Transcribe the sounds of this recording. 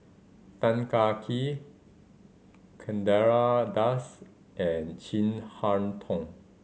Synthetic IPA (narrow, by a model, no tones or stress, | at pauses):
t̪ãnkakʰi | kʰɛ̃ndɛɹadas | ʔɛ̃nt͡ʃĩnhantʰɔ̃ŋ